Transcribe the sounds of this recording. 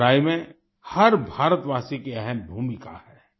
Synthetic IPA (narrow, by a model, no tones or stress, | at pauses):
ɾaːimẽ | hɐɾbʱaːɾət̪ʋaːsikeɛɦɛnbʱuːmɪka̰hɛː